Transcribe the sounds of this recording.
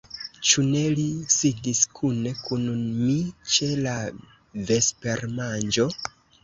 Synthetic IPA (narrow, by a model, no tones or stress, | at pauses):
t͡ʃune̞lisidiskʰune̞kunmit͡ʃe̞la | ve̞spe̞ɾmand͡ʒo̞